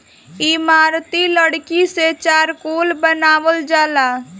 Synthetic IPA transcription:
imaɾt̪iləɽkiset͡ʃaːɾkolbənaːʋəld͡ʒala

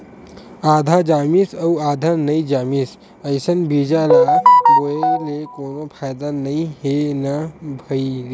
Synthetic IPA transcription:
aːd̪ʱad͡ʒaːmisəuaːd̪ʱanɐĩd͡ʒaːmis | əɪsənbiːd͡ʒalaoelekoːnopʰaːjd̪anɐĩɦenabʱəi

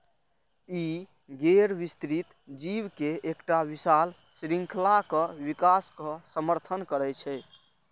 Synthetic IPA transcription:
i | ɡeɾbist̪ɾit̪ | d͡ʒiwkeekʈaʋisal | sɾiŋkʰlakəʋikaskəsəməɾt̪ʰənkəɾɛt͡ʃʰɛ

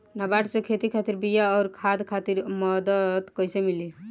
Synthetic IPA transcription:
nabaʈsẽkʰet̪ikʰat̪iɾbijaɔːɾkʰad̪kʰat̪iɾmɔd̪əd̪kəjsemili

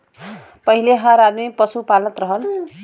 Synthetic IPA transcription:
pʌɦileɦãɾad̪mipʌsupalʌt̪ɾʌɦʌl

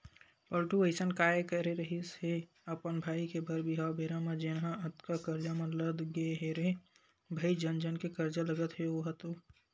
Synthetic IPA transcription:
pəlʈueɪsənkaːjkəɾeɾəɦisɦe | əpənbʱaːikebʱəɾbiɦabeːɾamãd͡ʒenɦãət̪kakəɾd͡ʒamɐləd̪ɡeɦeɾe | bʱəid͡ʒənd͡ʒənkekəɾd͡ʒaləɡət̪ɦeoɦət̪o

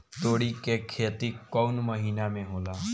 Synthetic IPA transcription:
t̪oːɽikekʰeːt̪ikɔʊnməɦiːnamẽɦoːlaː

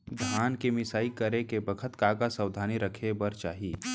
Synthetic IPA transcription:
d̪ʱjaːnkemɪsaːikəɾekebəkʰət̪kakasəwd̪ʱaːniɾəkʰebɐɾt͡ʃaːɦiː

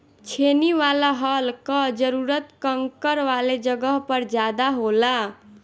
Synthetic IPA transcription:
t͡ʃʰeniwalaɦʌlkʌd͡ʒəɾuɾət̪kʌŋkəɾwaled͡ʒʌɡʌɦpəɾd͡ʒjad̪aɦola

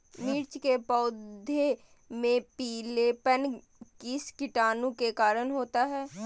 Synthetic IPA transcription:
miːɾt͡ʃkepɔːd̪ʱe | mẽpiːlepən | kiskɪʈaːnũkekaːɾənɦoːt̪aɦɛː

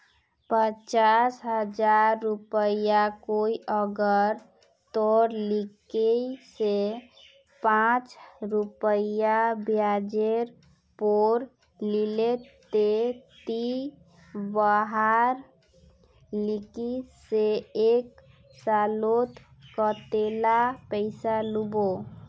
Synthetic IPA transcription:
pət͡ʃasɦəd͡ʒaɾːupəjakoiʔəɡəɾ | t̪ɔɾlikeise | pãt͡ʃɾupəjabjad͡ʒeɾ | poɾ | lilet̪et̪i | bəɦaɾ | likiseek | salot̪ | kət̪elapəɪsalubo

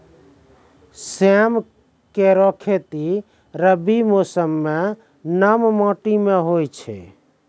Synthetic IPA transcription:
sem | keɾɔkʰet̪i | ɾəbimosəmːe | nammɔ̃ʈimeɦojt͡ʃʰɛ̰

